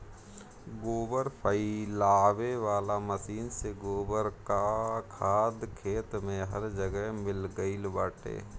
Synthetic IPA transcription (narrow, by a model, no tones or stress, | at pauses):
ɡoːbəɾpʰəilaːweʋaːlaməsiːnseɡoːbəɾkakʰaːd̪kʰeːt̪mẽɦɐɾd͡ʒəɡəɦmɪlɡəilbaːʈḛː